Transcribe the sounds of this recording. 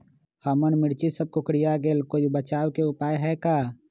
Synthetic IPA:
həmənmɪɽt͡ʃisəb̚kʊkɽijaɡeːlkojbət͡ʃaːwkeʊpaːjɦɛːkaː

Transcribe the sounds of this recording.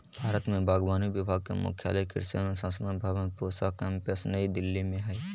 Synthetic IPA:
bʱaːɾət̪mẽbaːɡʋaːniʋɪbʱaːɡ̚kḛmʊ̰kʰja̰ːləkɪ̰ɾsə̰mẽsə̃nsəd̪anbʱaːʋənpoːsakɛ̃ːmpəsnəid̪ɪlːimẽɦɛ

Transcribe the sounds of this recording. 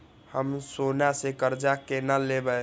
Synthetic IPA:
həmsonasekəɾd͡ʒakenalebə

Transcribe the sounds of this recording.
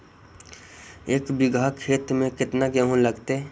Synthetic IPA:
eːkbɪɡʱakʰeːt̪mẽkɪt̪naɡɛɦõlɐɡt̪e

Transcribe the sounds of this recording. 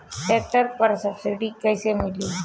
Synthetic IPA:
ʈeːk̚ʈəɾpəɾsɐbsɪʈikɐjsemɪli

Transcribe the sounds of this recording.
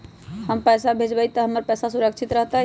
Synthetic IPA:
həmpəjsabʱed͡ʒbəjt̪əɦəmːəɾpɛsasuɾəkt͡ʃʰit̪ɾəɦt̪a

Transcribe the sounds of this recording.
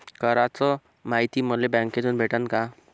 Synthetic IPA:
kəɾat͡sɔ | maɦit̪iːməlebɛ̃ŋket̪unbʱeʈənka

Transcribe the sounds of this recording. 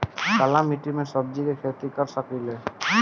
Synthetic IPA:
kalamiʈimesɔb̚d͡ʒikekʰet̪ikɔɾsɔkile

